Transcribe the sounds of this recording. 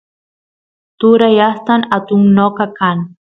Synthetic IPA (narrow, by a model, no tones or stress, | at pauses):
t̪uɾajast̪anat̪ʊŋnoqakan